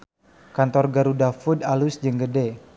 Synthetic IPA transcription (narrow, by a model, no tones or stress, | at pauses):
kant̪ɔrɡaɾudafudalusd͡ʒəŋɡəde